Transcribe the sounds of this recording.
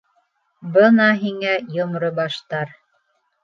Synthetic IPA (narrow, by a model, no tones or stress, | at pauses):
bɤnɑɦiŋæjŏmɾobɑʃt̪ɑɾ